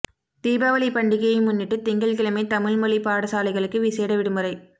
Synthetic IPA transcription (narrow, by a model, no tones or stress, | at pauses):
t̪iːbaːʋɐlipɐɳɖɪɣɐjɐmʊnːɪʈːɯt̪ɪŋɡɐɭkɪlɐmeːt̪ɐmɪɭmɔɭipaːɽɐsaːlɐɪɣɐɭɯkːɯʋiseːɽɐʋɪɽɯmɯrɐɪ